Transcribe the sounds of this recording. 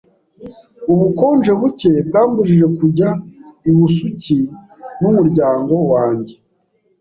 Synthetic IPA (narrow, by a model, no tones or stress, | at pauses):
uβuko̞ːnʒe̞βuce̞b̚ɡaːmbuʒiʒe̞kuɾɟaiβusuci | numuɾɟaːŋɡo̞waːɲɟe̞